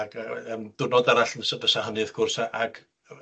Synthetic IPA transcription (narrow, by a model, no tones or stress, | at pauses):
ɡaəmd̥ʊnɔdaɾaɬnəsabəsahənɨðkʰʊrsaʔaɡ̥